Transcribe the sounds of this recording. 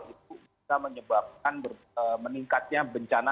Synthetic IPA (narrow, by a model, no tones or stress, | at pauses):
lit̪̚ubisaməɲəbap̚k̚anbər | əməniŋkat̪̚ɲabəɲt͡ʃana